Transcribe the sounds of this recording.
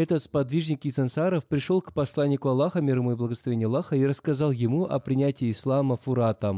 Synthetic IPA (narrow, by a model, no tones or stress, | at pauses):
ɛt̪ət̪spɐd̪vʲiʐnʲɪkɪt̪sɨnsaɾəfpɾʲɪʂolˠkpɐslˠanʲːɪkʊɐlˠːaxəmʲɪɾɨmʊiblˠəɡəslˠɐvʲenʲɪjɐlˠːaxəiɾəskɐzɑlˠjɪmuʔɐ̰pɾʲɪnʲætʲɪːslˠaməfʊɾat̪əm